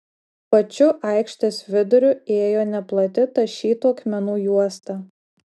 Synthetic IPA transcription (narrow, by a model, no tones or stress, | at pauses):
pɐt͡ʃʲʊʔɐɪkʃʲt̪ʲesʋʲɪd̪ʊɾʲʊeːjoːnʲɛplˠɐt̪ʲɪt̪ɐʃʲiːt̪uɐkmʲɛnuːjuɔst̪ɐ